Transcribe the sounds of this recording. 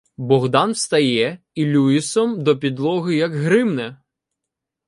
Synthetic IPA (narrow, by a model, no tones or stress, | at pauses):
bɔɣd̪ɑnwst̪ɐjɛ | ilʲujisɔmd̪ɔpʲid̪lˠɔɣɪjɐɡɦɾɪmnɛ